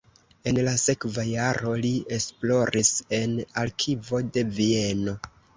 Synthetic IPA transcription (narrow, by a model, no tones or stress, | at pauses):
e̞nlase̞kvajaɾʔo̞liesplo̞ɾʔise̞nalkʰivo̞de̞vie̞no̞